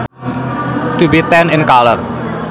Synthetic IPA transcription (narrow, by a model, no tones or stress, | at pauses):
t̪ubit̪ɛnɪnkalər